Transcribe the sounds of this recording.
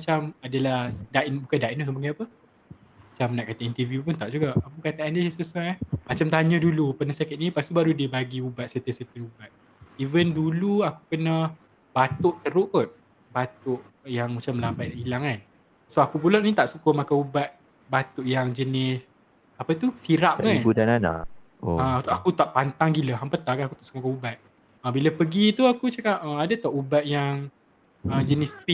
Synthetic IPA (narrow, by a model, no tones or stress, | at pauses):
mat͡ʃamadalahdaʔinbukandainusəmbaŋaapə | mat͡ʃamnaʔkat̪aint̪əvjupunt̪aʔd͡ʒuɡaʔakukat̪aandisəsuajmat͡ʃamt̪aɲə̃dulupənahsakat̪̚inipast̪ubaɾudibaɡiubat̪̚sət̪əsət̪ənubat̪̚ | ivənduluaku̥pənah | bat̪ʊʔt̪əɾʊʔpʊt̪̚ | bat̪ʊʔ | jaŋmat͡ʃaməlambatʔilaŋan | soakubulɔʔnĩt̪aʔsukomakaubat̪̚ | bat̪uʔjaŋd͡ʒənɪs | apət̪usiɾap̚akanbudanana̰ʔ | o̰ət̪ʔakut̪aʔpant̪aŋɡiləɦampət̪akaakut̪aʔsu̥kamakaubat̪̚ | əbiləpəɡit̪uakut͡ʃakaʔəadat̪ɔʔubat̪̚jaŋ | əd͡ʒənɪspi